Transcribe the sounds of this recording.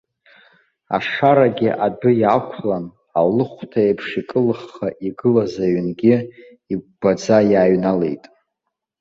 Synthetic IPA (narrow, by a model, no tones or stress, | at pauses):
a̰ʂaɾaɡʲɪʔadʊjakʷʰlan | alɨχʷtʰaepʰʂikʼɨlɨχaʔiɡɨlazaɥnɡʲɪ | ibad͡zajaːɥnale̞̰jtʼ